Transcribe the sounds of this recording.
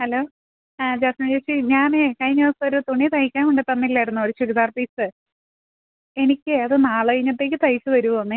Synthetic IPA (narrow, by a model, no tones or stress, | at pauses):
hɐlo̞ː | d͡ʑaːsɐmd͡ʑeːsiɲaːnekɐjɲːɐsoɾut̪oɳːit̪ɐŋikʲːaːnkoɳɖɨt̪ɐnːilːɐjiɽunːɐoɾuɕuɾuðaːrpiːsɨ | e̞nikʲːɨɐðɨnaːɭɐjiɲːɐt̪ːe̞ːk̬ʲːɨt̪ɐjsɨʋɐɾuʋɐonːɨ